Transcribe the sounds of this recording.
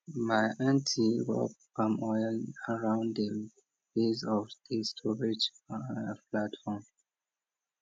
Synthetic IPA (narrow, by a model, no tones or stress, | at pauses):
maɪʔãntʰiwɛ̰lkɔ̃mɔnəɹãʊ̃ndə | fezɔfd̪̥istʰɔɹid͡ʒ | platfɔm